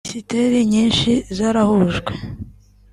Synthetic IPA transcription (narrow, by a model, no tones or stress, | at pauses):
siteɾiɲiːnʃizaɾahuʒɡwe